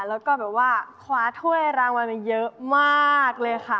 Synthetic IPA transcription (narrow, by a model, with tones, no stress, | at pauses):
lɛː˦˥wkɔː˥˩bɛː˨˩p̚waː˥˩kʰwaː˧˥t̪ʰu˥˩əjɾaː˧ŋwa˧nma˧˩njɤ˦˥ʔmaː˥˩k̚lɤː˧jkʰa˥˩